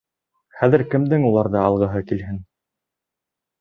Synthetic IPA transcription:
χæðɘ̆ɾkɘ̆md̪ɘŋulˠɑɾðɑɑlˠʁɤ̆ɦɤkilɦɘn

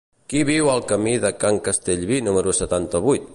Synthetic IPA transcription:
kiβiwəlˠkəmiðəkaŋkəst̪eʎβinuməɾusət̪ant̪əβujt̪

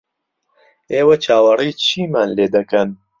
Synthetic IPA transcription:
eːwɐt͡ʃʰaːwɐriːt͡ʃʰiːmaːnleːd̪ɐkɐn

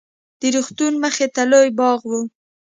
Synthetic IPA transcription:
d̪̥əɾuxt̪unməxet̪alojbɑɣwu

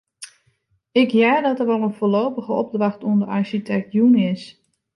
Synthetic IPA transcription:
ɪkjaːdɔtərʋolˠənfoloːpəɣəɔb̚drɑxtuəndərɑɹʃitʰɛk̚tjunɪs

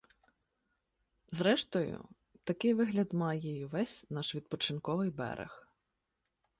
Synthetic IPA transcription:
zɾɛʃt̪ɔjʊ̰ | t̪ɐkɪjʋɪɦlʲɐd̪mɑjɛjʊʋɛsʲnɑʃʋʲid̪̚pɔt͡ʃɪnkɔʋɪjbɛ̰ɾʔḛx

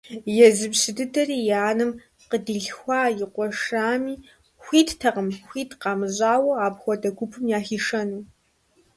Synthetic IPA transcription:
jɛzɨbɕɪdɨtʰɐriːjaːnɨm | qədiɮxʷɑːjɪqʷʼɔʂaːmiː | xʷiːttʰɐqəmxʷiːtʰqɑːmɨʑʼaːwɐaːpxʷɔdɐɡʷʊpʰɨmjaːxiːʂɐnuː

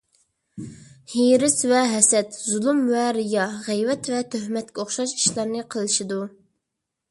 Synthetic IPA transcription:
hiɾɪsvɛɦɛsɛt̪zulˠumvɛɾijɑʁɛjvɛt̪vɛt̪ʰːøɦmɛt̪kʲɛoχʃɑʃi̥ʃlˠɑɾnɨqʰəlˠɨʃid̪u

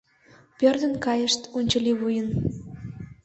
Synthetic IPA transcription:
pørd̪ə̆nkɑjə̆ʃt̪unʲt͡ɕə̆liβujən

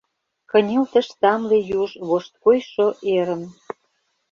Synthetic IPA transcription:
kə̆nʲelt̪ə̆ʃsɑmlejuʒβoʃt̪̚kojʃoʔeɾə̆n

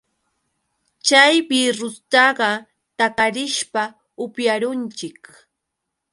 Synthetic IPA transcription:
t͡ʃajbɪɾʊst̪ɑɢɑ | t̪akaɾɪʃpa | ʊpjaɾʊnt͡ʃɪk

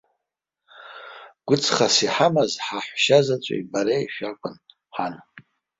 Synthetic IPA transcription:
ɡ̥ʷʊt͡sʰχasiħamazħaħʷʃazat͡ʃʷʼo̰ibaɾajʃᶣakʷʼʊn | ħan

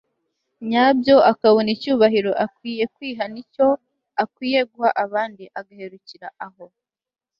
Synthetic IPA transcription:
ɲabjo̞ʔakaβonicuːβaɦiɾo̞ʔakwiːje̞kwiːɦanico̞ | akwiːje̞ɡuhaʔaβaːndiʔaɡahe̞ɾuciɾaʔaɦo̞

